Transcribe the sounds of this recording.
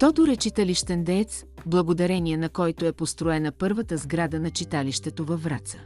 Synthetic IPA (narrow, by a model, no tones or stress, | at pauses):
t̪ɔd̪ʊɾɛt͡ʃit̪əliʃt̪ɛnd̪ɛɛt̪s | blˠɐɡod̪ɐɾɛniɛnɐkɔjt̪oɛpost̪ɾʊɛnəpɤɾvət̪əzɡɾad̪ənɐt͡ʃit̪aliʃt̪ɛt̪ovɐfvɾat̪sə̥